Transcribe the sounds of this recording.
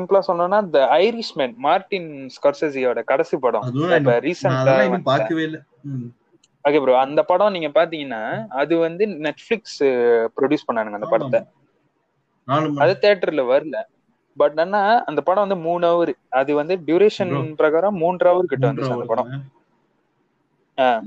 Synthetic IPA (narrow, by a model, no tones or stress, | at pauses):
ɪmpɐlãsɔnːɐ̃nːaːɐd̪ɐɐɪɾɪʂmenmaːɾʈːɪnskaːɾseːsiɐʋɽɐkɐɽɐsipɐɽɔ̰̃keɐɾiːsɐnaːaːɾɯʋeɪlɐ | oːkeːpɐɾɐɐnd̪ɐpɐɽɐ̃niːŋɡɐpaːɾt̪iːŋɡɐnːaːɐðɯʋɐnd̪ɯnɛʈːflɪkspɾɔɖjuːspɐɳːaːɳɯ̃ŋɡɐnd̪ɐpɐɽɐt̪ːɐ | ɐðɯt̪eːʈːɐɾlɐʋɐɾɯlɐ | bɐʈːɐnːaːɐnd̪ɐpɐɽɐ̃ʋɐnd̪ɯmuːnɐːʋɐɾɯɐðɯʋɐnd̪ɯɖjuːɾeːʂɐnpɪɾɐɣaːɾɐ̃muːnɖrɐːʋɐɾɯk̬ɪʈːɯʋɐnd̪ɯt͡ʃːɯɐd̪ɐpɐɽɐ̃ | aː